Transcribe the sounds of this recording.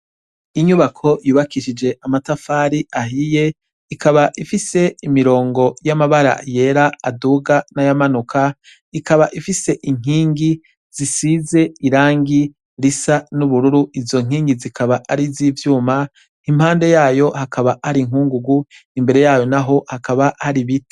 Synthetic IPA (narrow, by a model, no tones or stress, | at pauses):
iɲuβakʰo̞juːβakiʃid͡ʒe̞ʔamatafaɾiaɦije̞ | ikʰaβaʔifise̞imiɾo̞ːŋɡo̞jamaβaɾa̰je̞ɾaaduːɡanajamanukʰa | ikaβaʔifise̞ʔiŋ̥iːŋɡi | z̥isize̞iɾaːŋɡi | ɾisanuβuɾuɾuizo̞ŋ̥iːŋɡizikʰaβaʔaɾizivjuːma | im̥haːnde̞jaːjo̞hakaβahaɾiŋ̥uːŋɡuɡu | imbe̞ɾe̞jaːjo̞naɦo̞hakaβahaɾiβite̥